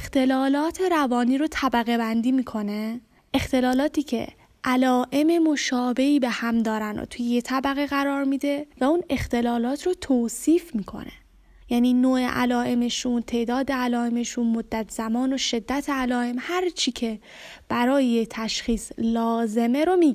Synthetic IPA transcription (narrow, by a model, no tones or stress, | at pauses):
ext̪e̞lɒːlɒːt̪ʰe̞ɾævɒːniːɾot̪ʰæbæɣe̞bænd̪iːmiːkʰo̞ne | ʔext̪e̞lɒːlɒːt̪iːcʰe̞̰ | ʔælɒːʔe̞me̞mo̞ʃɒːbe̞ʔiːbe̞hæmd̪ɒːɾæno̰t̪ʰujejet̪ʰæbæɣeɣæɾɒːɾmiːd̪e̞væuːne̞xt̪e̞lɒːlɒːt̪ʰɾot̪ʰoːsiːfmiːkʰo̞̰nḛ | jæːniːnoːḛʔæ̰lɒːʔe̞me̞ʃunt̪ʰe̞ʔd̪ɒːd̪e̞ælɒːe̞me̞ʃunmod̪ːæt̪ʰz̥æmɒːno̞ʃe̞d̪ːæt̪ʰeælɒːe̞mhæɾt͡ʃʰiːcʰe̞ | b̥æɾɒːjejet̪ʰæʃχiːslɒːze̞me̞ɾomi